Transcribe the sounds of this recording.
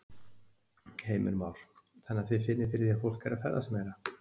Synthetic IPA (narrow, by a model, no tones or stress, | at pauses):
heːjmɪɾmaːwɾ̥θɛnːaθvɪfɪnːɪɾfɪɾɪɾjɛfowl̥kaɾafɛ̰ɾðasmɛːjɾa